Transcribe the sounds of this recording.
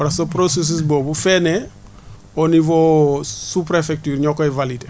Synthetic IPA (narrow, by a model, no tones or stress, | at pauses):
aɾasopɾoses̬is̬bobufɛnɛ | onivosupɾefɛk̚tyːɾɲɔkɔivalid